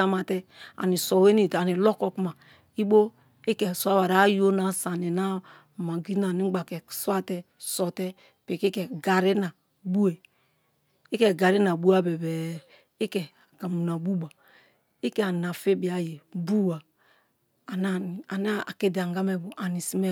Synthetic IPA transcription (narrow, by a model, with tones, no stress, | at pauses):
a˦ma˨tɛ˦a̰˨ni˨sɔ˨we˦ni˦˨ta˨ni˨lɔ˦kɔ˦ku˦ma˨ | i˦ɓo˦ | e˦kɛ˨su˨˦a˦wa˨ɾa˨˦jo˦na˨sa˨ni˨na˦˨ | ma˨ɡi˦na˨ni˦ɡ͡ba˨kɛ˨swa˦tɛ˦ | sɔ˨tɛ˦ | pe˨ke˦kɛ˨ɡa˨ɾe˦na˨ | bu˦e˨ | i˦kɛ˦ɡa˨ɾe˦na˨bu˦a˦bɛ˨bɛ˨ | e˦kɛ˨ka˨mu˨na˨bu˦ba˨ | i˦kɛ˦˨a˨na˨fe˦bi˨a˨je˨bu˦waː˨ | na˦˨a˨n˦a˦a̰˨ke˦di˨a˨ŋ˨ɡa˦mɛ˦bo˨ʔa˨ni˨si˦mɛ˦